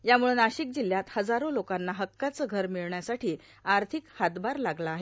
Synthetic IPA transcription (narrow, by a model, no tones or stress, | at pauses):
jamuɭuːnaɕiːk̚d͡ʑil̤jat̪həd͡zaɾolokanːaɦəkːat͡səːɡʱəɾmiɭɳjasaʈiː | aɾt̪ʰikhat̪baɾlaɡlaːɦe